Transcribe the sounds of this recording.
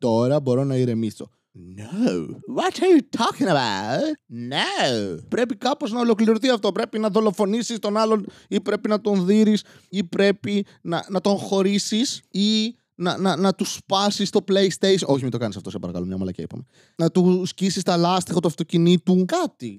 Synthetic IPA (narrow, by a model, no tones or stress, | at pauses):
t̪o̞ɾɐbo̞ɾo̞nɐiɾe̞miso̞̰ | noʊwɐtɐjutʰɔkĩŋɐbaʊtnopɾe̞pikɐpo̞znɐolo̞kliɾoθiɐft̪o̞pɾe̞pinɐðo̞lo̞fo̞nisist̪o̞nɐlo̞n | ipɾe̞pinɐt̪o̞nðiɾis | ipɾe̞pi | nɐnɐt̪o̞ŋxo̞ɾisisi | nɐnɐnɐt̪uspɐsist̪o̞plejst̪ejso̞çimit̪o̞kɐnisɐft̪o̞sepɐɾɐkɐ̰lomɲɐ̰mɐlɐ̰cḛḭpɐ̰me | nɐt̪uscisist̪ɐlɐst̪ixɐt̪uɐft̪o̞cinit̪ukɐt̪i